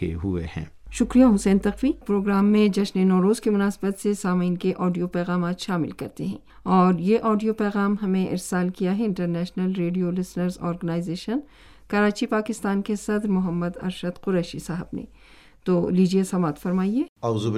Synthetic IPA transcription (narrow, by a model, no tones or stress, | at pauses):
ḛɦuḛhɛ̰̃ː | ʃʊkɾijaɦʊsɛːnt̪ɐqfipɾoːɡɾaːmːẽd͡ʒɐʃnenɔːɾoːzkimʊnaːsbət̪sesaːmiːnkeʔɔːɖijopɛːɣaːmaːt̪ʃaːmɪ̰lkɐɾt̪eɦɛ̃ː | ɔːɾjeʔɔːɖijopɛːɣaːmɦɐmẽʔɪ̰ɾsaːlkijaɦɛɪ̃ɳʈəɾnɛːʃnəlɾeːɖijolɪsnəɾzɔ̰ːɾɡənaːɪzeːʃən | kɐɾaːt͡ʃipaːkɪst̪aːnkesɐd̪ɾmʊɦəmːəd̪ɐ̰ɾʃəd̪qʊɾɛːʃisaːɦəbnḛ | t̪oːliːd͡ʒiesɐmaːt̪fɐɾmaːieːɐʊzu